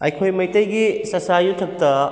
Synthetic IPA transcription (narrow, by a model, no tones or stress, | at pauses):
ɐ̰jkʰojmɐjtɐjɡisɐsajutʰɐk̚tɐ